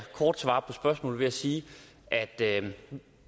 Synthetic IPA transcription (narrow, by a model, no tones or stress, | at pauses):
kʰɒːd̥sʋɑ̰̈ːpʰɒ̽sb̥ɶɐsmɔ̰̽ːl̩ʋe̝æsiː | ʔæd̥ø